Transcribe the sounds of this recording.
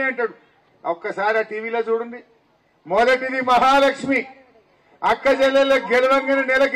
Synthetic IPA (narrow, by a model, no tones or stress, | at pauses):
eɐɳʈaːɽu | okːɐsaːɾiaːʈiːʋiːlo̞ːt͡ʃuːɽund̪i | molɐʈid̪imɐɦaːlɐkʂmi | ɐkːɐd͡ʒɛlːɐlːoːɡeluʋɐŋɡɐnɐnɛlɐk